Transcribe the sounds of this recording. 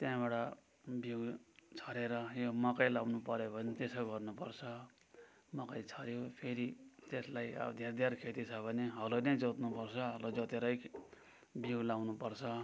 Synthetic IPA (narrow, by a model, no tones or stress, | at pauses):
t̪jãbaɽʌ | biwt͡sʰʌɾeɾʌjomʌkʌjlawnupʌɾobʱʌnet̪esʌɡʌrnupʌrt͡sʰʌ | mʌkʌjt͡sʰʌɾjopʰeɾit̪eslajʌ̰bd̪ʱjed̪ʱjarkʰet̪it͡sʰʌbʱʌneɦʌloned͡zot̪nupʌrt͡sʰʌɦʌlod͡zot̪eɾʌj | biuɡlawnupʌrt͡sʰʌ